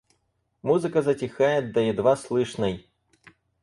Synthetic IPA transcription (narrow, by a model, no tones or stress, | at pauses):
muzɨkɐzɐt͡sʲixajɛd̪ɐjɛd̪vaslˠɨʂnɐj